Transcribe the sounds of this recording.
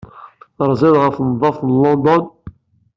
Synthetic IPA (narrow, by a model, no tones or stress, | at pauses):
ɾˤzæðʁəfnðˤːɑfθnlɔnd̪ɔn